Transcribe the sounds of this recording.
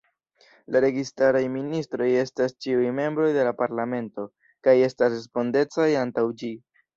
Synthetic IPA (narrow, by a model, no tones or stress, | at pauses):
laɾe̞ɡistaɾajministɾo̞je̞stast͡ʃiujme̞mbɾo̞jde̞lapaɾlame̞nto̞ | kaje̞stasɾespo̞nde̞t͡sajantawd͡ʒi